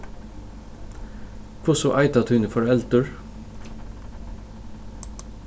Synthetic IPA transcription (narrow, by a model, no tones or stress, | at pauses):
kʰʊsʊʔɑɪt̪ɑt̪ʰʉnəfɔɾɛlt̪əɹ